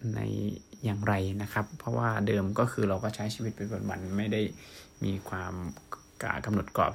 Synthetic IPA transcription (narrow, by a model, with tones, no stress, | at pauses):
na̰˧jːaː˨˩ŋɾa˧jna˦˥kʰa˦˥pʰːɔ˦˥waː˥˩dɤː˧mkɔː˥˩kʰɯː˧ɾa˧wkɔː˥˩t͡ɕʰa˦˥jt͡ɕʰiː˧˩wi˦˥t̪̚pe˧nbo˧nwa̰˧nma˥˩jda˥˩jmiː˧kʰwaː˧m | ka̰ː˨˩ka˧mno˨˩t̪̚kɔ̰ː˨˩p̚